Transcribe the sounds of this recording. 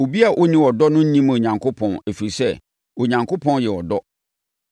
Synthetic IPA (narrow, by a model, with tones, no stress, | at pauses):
o˨bi˦a˨ʔɔ˦nĩ˦wɔ˨dɔ˦nʊ̃˦ɲĩ˦mo˨ɲã˨ŋkʰʊ˦pʰɔ̃˨næ˨fi˨ɾi˨sɛ˦ | o˨ɲã˨ŋkʰo˦pʰɔ̃˦njɛ˨wɔ˨dɔ˦